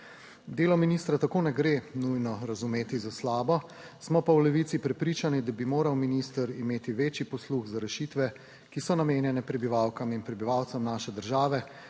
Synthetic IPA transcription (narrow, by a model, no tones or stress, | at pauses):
d̪eːlɔminiːst̪ɾat̪akoːnɛɡɾenujnɔɾazumeːt̪izaslaːbɔ | smɔpawlɛʋit̪sipɾɛpɾiːt͡ʃanid̪abimoːɾawminist̪əɾimeːt̪iʋeːt͡ʃipɔsluɣzaɾɛʃit̪ʋɛ | kisɔnameːnjɛnɛpɾɛbiʋawkaminpɾɛbiʋawt̪sɛmnaːʃɛd̪əɾʒaːʋɛ